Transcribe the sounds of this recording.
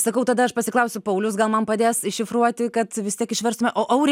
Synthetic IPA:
sɐkɐʊt̪ɐd̪ɐɐʃpɐsʲɪklˠɐʊsʲʊpɐʊlʲʊsɡɐlˠmɐnpɐd̪ʲeːsɪʃʲɪfruɔt̪ʲɪkɐt̪ʋʲɪst̪ʲiɛkɪʃʲʋʲɛrst̪ʊmʲɛʔoːʔɐʊɾʲ

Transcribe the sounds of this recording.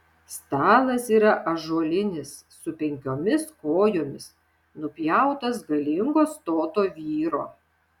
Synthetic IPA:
st̪ɑːlˠɐsiːɾɐʔɐʒuɔlʲɪnʲɪsːʊpʲɛŋʲkʲoːmʲɪskoːjoːmʲɪs | nʊpʲjæˑʊt̪ɐsɡɐlʲɪŋɡoːst̪oːt̪oːʋʲiːɾoː

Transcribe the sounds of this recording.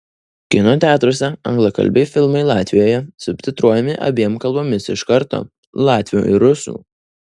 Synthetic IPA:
kʲɪnoːt̪ʲæːt̪ɾoɔsʲɛɐŋɡlˠɐkɐ̰lʲbʲɛɪfʲɪlˠmɐɪlˠɑːt̪ʲʋʲɪjoːjɛsʊpʲt̪ʲɪt̪ɾuɔjɛmʲɪʔɐ̰bʲiɛmkɐlˠboːmʲɪsɪ̰ʃkɐɾt̪o̰ː | lˠɑːt̪ʲʋʲɪjṵːʔɪ̰ɾʊsʲṵː

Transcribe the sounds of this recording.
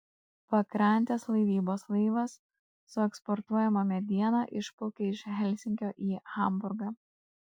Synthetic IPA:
pɐkɾɐnʲt̪ʲeslˠɐɪʋʲiːboːslˠɐɪʋɐsː | ʊɛkspɔɾt̪uɔjɛmɐmʲɛd̪ʲiɛnɑʔɪʃpɔʊkʲeɪʃɦʲɛlʲˑsʲɪŋʲkʲoːʔiːxɐˑmbʊɾɡɑː

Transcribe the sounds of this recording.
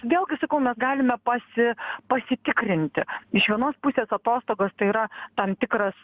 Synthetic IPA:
ʋʲeːlˠɡʲɪsɐkɐʊmʲɛsɡɑːlʲɪmʲɛpɐsʲɪpɐsʲɪt̪ʲɪkɾʲɪnʲt̪ʲɪɪʃʋʲiɛnoːspʊsʲeːsɐt̪oːst̪oːɡoːst̪ɐɪiɾɐt̪ɐmt̪ʲɪkɾɐs

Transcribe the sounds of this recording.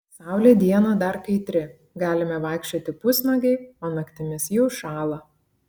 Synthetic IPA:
sɑˑʊlʲeːd̪ʲiɛnɐd̪ɐɾkɐɪt̪ʲɾʲɪ | ɡɑːlʲɪmʲɛʋɑˑɪkʃʲt͡ʃʲoːt̪ʲɪpʊsʲnɐɡʲɛɪoːnɐkt̪ʲɪmʲɪsjɛʊʃɑːlˠɐ

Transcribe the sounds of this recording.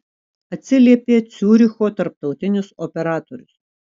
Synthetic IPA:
ɐt̪ʲsʲɪlʲiɛpʲeːt̪sʲuːɾʲɪxoːt̪ɐɾp̚t̪ɒʊt̪ʲɪnʲɪsɔpʲɛɾɑːt̪oɾʲʊs

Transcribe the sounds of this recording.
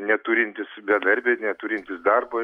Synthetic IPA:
nʲɛt̪uːɾʲɪnʲt̪ʲɪsbʲɛd̪ɐɾʲbʲeːnʲɛt̪uːɾʲɪnʲt̪ʲɪsd̪ɐrbo

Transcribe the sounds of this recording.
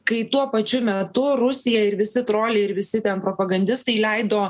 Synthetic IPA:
kɐɪt̪uɔpɐt͡ʃʲʊmʲɛt̪ʊɾʊsʲɪjɛɪɾʋʲɪsʲɪt̪ɾoːlʲeːɪɾʋʲɪsʲɪt̪ʲɛnpɾoːpɐɡɐnʲd̪ʲɪst̪ɐɪlʲɛɪd̪oː

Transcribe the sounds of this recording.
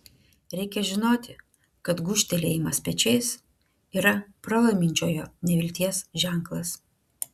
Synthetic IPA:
ɾʲɛɪkʲɛʒʲɪnoːt̪ʲɪ | kɐt̪ɡʊʃʲt̪ʲɛlʲeːimɐspʲɛt͡ʃʲɛɪs | iːɾɐpɾɐlˠɐɪmʲɪnʲt͡ʃʲoːjoːnʲɛʋʲɪlʲt̪ʲiɛsʒʲæˑŋklˠɐs

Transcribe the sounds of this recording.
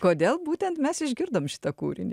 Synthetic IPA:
koːd̪ʲeːlˠbuːt̪ʲɛnt̪mʲɛsɪʒʲɡʲɪɾd̪ɐːmʃʲɪ̥t̪ɐkṵːɾʲɪ̰nʲ

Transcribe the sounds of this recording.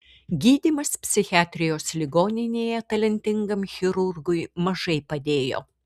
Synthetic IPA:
ɡʲiːd̪ʲiːmɐspʲsʲɪxʲɪɑːt̪ʲɾʲɪjoːslʲɪɡoːnʲɪnʲeːjɛt̪ɐlʲɛnʲt̪ʲɪŋɡɐmxʲɪɾʊɾɡʊɪmɐʒɐɪpɐd̪ʲeːjo̰ː

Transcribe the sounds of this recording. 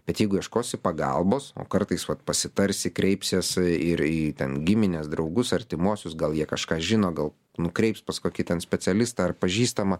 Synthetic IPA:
b̥ʲɛt̪jɛɪɡʊiɛʃkoːsɪpɐɡɐ̰lˠboːso̰ːkɐrt̪ɐɪsʋɐt̪pɐsʲɪt̪ɐɾʲsʲɪkɾʲɛɪpʲsʲeːsɪɾiːt̪ʲɛnɡʲɪmʲɪnʲeːsd̪ɾɐʊɡʊsɐɾʲt̪ʲɪmuɔsʲʊsɡɐlˠjiɛkɐʃkɑːʒʲɪnoːɡɐlˠ | nʊkɾʲɛɪpspɐskoːkʲɪt̪ʲɛnsʲpʲɛt͡s̪ʲɛlʲɪst̪ɐɐrpɐʒʲiːst̪ɐmɐ

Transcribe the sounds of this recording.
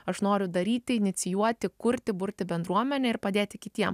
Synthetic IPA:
ɐʃnoːɾʲʊd̪ɐɾʲiːt̪ʲɪɪnʲɪt̪sʲɪjuɔt̪ʲɪkʊɾʲt̪ʲɪbʊɾʲt̪ʲɪbʲɛnd̪ɾuɔmʲɛnʲɛɪɾpɐd̪ʲeːt̪ʲɪkʲɪt̪ʲiɛm

